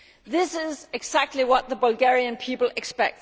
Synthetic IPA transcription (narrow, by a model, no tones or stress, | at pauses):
ðɪsɪzɪɡ̥sæk̚tˡliwʌt̪̚ðəbəlɡɛɹiə̃npʰipəl̩ˠɪkspɛk̚t